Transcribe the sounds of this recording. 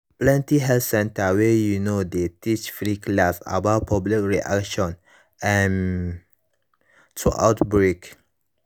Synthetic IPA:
plɛ̃ntiɦɛltsɛ̃ntawejunodetit͡ʃfɹikʰlasa̰baʊtpʰablikɹiʔa̰kʃɔ̃n | ɛ̃n | tʰuʔa̰ʊtbɹek

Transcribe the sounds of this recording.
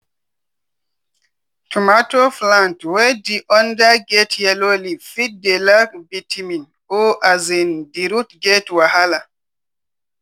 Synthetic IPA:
tʰumatoflãntwɛdiʔɔndaɡɛtʰhɛlolifit̚delakbitʰimĩn | oʔazindiɾutɡɛtwahala

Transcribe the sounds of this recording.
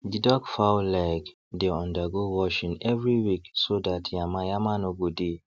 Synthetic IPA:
didɔkfaʊlaɪk | deɔ̃ndaɡowɔʃĩŋɛvɹiwiksodatʰjamãjamanoɡode

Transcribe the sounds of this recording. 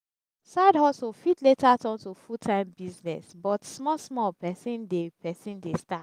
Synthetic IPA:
sadhɔsofitletatɔ̃ntofutʰãɪ̃mbiznɛ̰sbɔtsmɔlsmɔlpɛsĩndepɛsĩndesta

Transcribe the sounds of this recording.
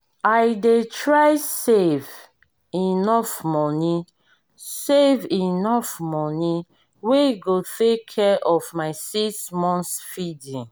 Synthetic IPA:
aɪdetɹaɪsev | inɔfmɔni | sevinɔfmɔni | weɡotekʰːɛʔɔvmaɪsismɔ̃nsfidĩn

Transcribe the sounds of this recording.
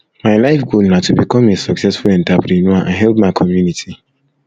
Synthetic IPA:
maɪlaɪfɡolnatubikɔmesɔksɛsfulɛ̃ntapɾinuaʔa̰nɦɛltmaɪkʰɔmjunitʰi

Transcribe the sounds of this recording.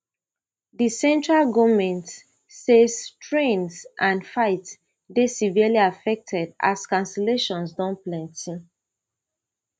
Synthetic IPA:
disɛ̃ntɹalɡomɛ̃nt | sestɹẽnsʔãnfaɪts | desivialiafɛk̚tʰɛda̰skãnsɛleʃɔ̃nsdɔ̃nplãntĩ

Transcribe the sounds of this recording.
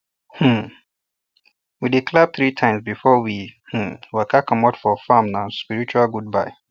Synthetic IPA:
h̩ | widikʰlɛb̚θɹitʰãɪ̃msbifɔwih̩wəkʰakʰɔ̃matfɔfamnãspiɹit͡ʃualɡud̚baɪ

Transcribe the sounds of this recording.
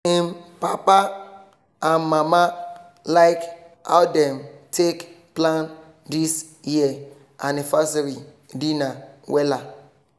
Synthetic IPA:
ĩmpapa | ãnmama | laɪk | a̰ʊdɛ̃mtek | plãn | dis | jiə | anivasaɾi | dinawɛla

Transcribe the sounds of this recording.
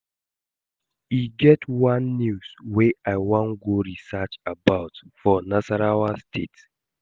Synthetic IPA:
iɡɛtwãnːjusweaɪwɔ̃nɡoɹisat͡ʃabaʊtfɔnasaɾawastʰet

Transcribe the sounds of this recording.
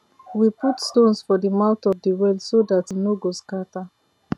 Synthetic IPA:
wiputstõnsfɔðəmãʊtɔvdiwɛldsodatinoɡoskata

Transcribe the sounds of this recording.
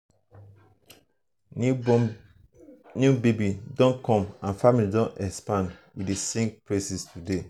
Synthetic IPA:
njubebidɔ̃nkʰɔ̃mãnfamilidɔ̃nɛkspãndwidesẽmpɹesistʰude

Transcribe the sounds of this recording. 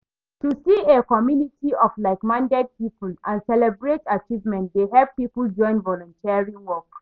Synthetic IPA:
tusiekɔmjunitʰiɔflaɪkmãndɛd̚pipulãnsɛlɛbɹetat͡ʃivmɛ̃nt̚deɦɛlppːipəld͡ʒɔ̃ɪ̃nvɔlɔ̃ntʰiaɹĩnwɔk

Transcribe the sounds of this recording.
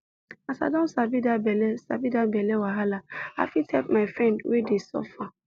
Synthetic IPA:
asa̰dɔ̃nsabidabelesa̰bidabelewaɦalaa̰fitʰɛpmaɪfɾɛ̃ndwedisɔ̰fa

